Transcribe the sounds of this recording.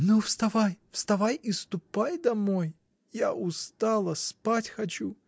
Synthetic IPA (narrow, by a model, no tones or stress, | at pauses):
nufst̪ɐvajfst̪ɐvajist̪ʊpajd̪ɐmoj | jaʔʊst̪alˠəspatʲxɐt͡ɕu